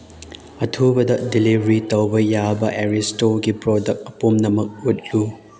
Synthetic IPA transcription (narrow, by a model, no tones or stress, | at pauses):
ɐtʰubɐdɐdilibɾitɐwbɐjabɐʔeɾistoɡipɾodɐk̚tɐpomnɐmɐk̚ut̚lu